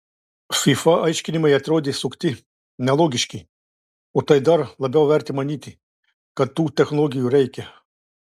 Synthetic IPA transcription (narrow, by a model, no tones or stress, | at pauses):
fifaʔɐjʃkʲinʲimɐjɛt̪ʲɾoːd̪ʲisukt̪ʲi | nɛlˠɔɡʲiʃkʲi | ut̪ɐjd̪ɐɾlˠɐbʲɛwʋɛɾʲt̪ʲimɐnʲit̪i | kɐt̪ːuːt̪ʲɛxnɔlˠɔːɡʲijuɾɛjkʲɛ